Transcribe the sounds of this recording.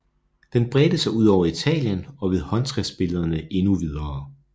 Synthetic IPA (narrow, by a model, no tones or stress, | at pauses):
d̥enb̥ʁɛːd̥əsɑ̈ɪuð̞̰ˠɒʊɐit͡sʰɛ̰ːljənɒ̽ʋe̝ðˠhɒ̽nt͡sʰʁɛsb̥e̝ləð̞ˠɐnəʔe̝nuʋið̞ˠɐː